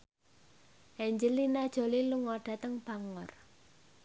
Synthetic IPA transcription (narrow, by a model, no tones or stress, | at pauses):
ʔɛɲd͡ʒəlinad̥ʒ̥o̤liluŋɔɖ̥a̤t̪əŋb̥aŋɔr